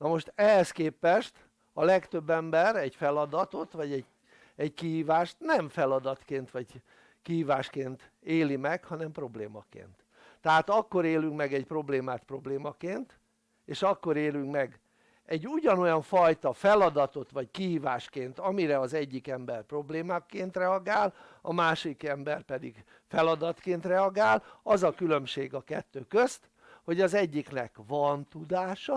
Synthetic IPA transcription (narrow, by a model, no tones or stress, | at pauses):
nɒmo̞ʃt̪ɛɦɛskeːpɛʃt̪ | ɒlɛkt̪øbːɛmbɛɾɛɟfɛlɒd̪ɒt̪o̞t̪ʋɒɟɛɟ | ɛɟkiɦiːvaːʃt̪nɛɱfɛlɒd̪ɒt̪keːnt̪ʋɒɟ | kihiːvaːʃkeːnt̪ | eːlimɛkhɒnɛmpro̞bleːmɒkḛːnt̪ː | ɛɦaːt̪ɒkːo̞ɾeːlyŋkmɛɡɛcpro̞bleːmaːt̪pro̞bleːmɒkeːnt̪ | eːʃɒkːo̞ɾeːlyŋkmɛɡ | ɛɟːuɟɒno̞jɒɱfɒjt̪ɒfɛlɒd̪ɒt̪o̞t̪ʋɒckiɦiːvaːʃkeːnt̪ɒmiɾɛɒzɛɟːikɛmbɛrpro̞bleːmakːeːnt̪rɛɒɡaːlɒmaːʃod̪ikɛmbɛrpɛd̪iɡ | fɛlɒd̪ɒt̪keːnt̪rɛɒɡaːlɒzɒkylø̞mʃeːɡɒkɛt̪ːøːkøst̪ | ho̞ɟɒzɛɟːiknɛkvɒnt̪ud̪aːʃɒ